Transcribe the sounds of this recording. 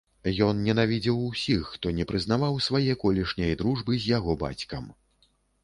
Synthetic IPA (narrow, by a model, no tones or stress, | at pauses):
jɔnnʲɛnavʲid͡zʲiwsʲixːt̪ɔnʲɛpɾɨzn̪avawsvajɛkɔlʲiʂnʲɐjd̪ɾuʐbɨzʲjaɣɔba̰t͡sʲkɐm